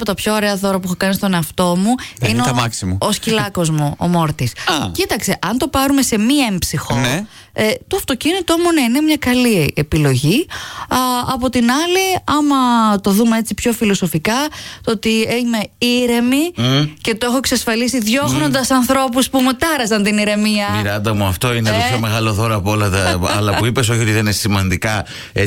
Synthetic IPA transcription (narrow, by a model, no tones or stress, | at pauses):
pot̪ɐpço̞oːɾe̞ɐðo̞ɾɐp̬uexokɐnist̪o̞neɐft̪o̞muineoɐksimɐoscilɐko̞zmoo̰mo̞ɾt̪iscit̪ɐkse̞ʔɐnt̪o̞pɐɾume̞se̞miempsixo | et̪oɐft̪o̞cinit̪o̞muneinemɲɐkɐliepilo̞ʝi | ɐpo̞t̪inɐliɐmɐt̪o̞ðumee̞t͡sipço̞filo̞so̞fikɐt̪oo̞t̪ieme̞iɾe̞mice̞t̪oexo̞eksɐsfɐlisiðʝo̞xno̞nd̪ɐsɐnθɾo̞p̬uspumut̪ɐɾɐzɐnt̪iniɾe̞miɐiɾɐnd̪ɐmuɐft̪o̞ineoçome̞ɣɐlo̞ðo̞ɾɐpo̞lɐt̪ɐɐ̰lɐuipe̞s̬o̞çiot̪iðenesimɐnd̪ikɐ | e